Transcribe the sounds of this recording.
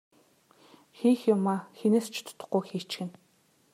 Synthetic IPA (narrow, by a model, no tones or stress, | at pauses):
xiːxjʊmːaxinĕst͡ʃʰt̪ʰʊ̥t̪ʰʊ̥̆qoːxiːt͡ʃxɘ̆n